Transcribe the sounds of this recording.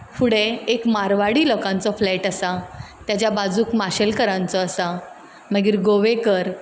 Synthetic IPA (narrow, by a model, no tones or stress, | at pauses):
fuɽeekmaɾʋaɽiːlɔkãnt͡sɔflɛʈəsat̪jat͡ɕjabad͡zuːkmaɕəlkəɾãnt͡sɔːsa | məɡiːɾɡoʋekəɾ